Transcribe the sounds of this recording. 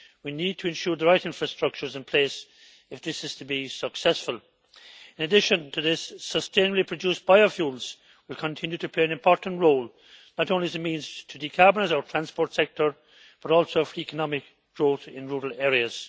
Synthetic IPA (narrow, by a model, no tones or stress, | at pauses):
winid̚tʰəɨ̃nʃuːɹðəɹaɪɾɪ̃nfɹəstɹ̥ʌk̚t͡ʃə˞zɪ̃npʰl̥eɪs | ɨfðɪsɨz̥tʰəbisəksɛsfəlˠ | ɪ̃nədɪʃə̃ntʰəðɪsːəstʰẽɪ̃nəblipʰɹ̥ɨdusb̥aɪofjuːlˠz̥ | wɪlˠkʰə̃ntʰɪ̃njʉɾɨpʰleɪə̃nɨ̃mpʰɔɹʔn̩ʔɹoːlˠ | nəɾõʊ̃nliɨzəmĩnz̥tʰədikʰabənəzətʰɹ̥æ̃nspɔɹtsɛk̚tʰə˞ | b̥ʌɾɔlˠsoʊfɹiɛkənɑmɪk | ɡ̥ɹoːθɪ̃nɹuːɹəlɛːɹiəz̥